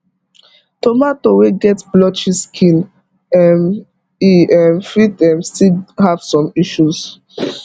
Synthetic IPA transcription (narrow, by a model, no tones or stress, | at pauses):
tomatoweɡɛtblɔt͡ʃiskʰĩn | ɛm | iɛmfidɛmstihav̥sɔ̃miʃus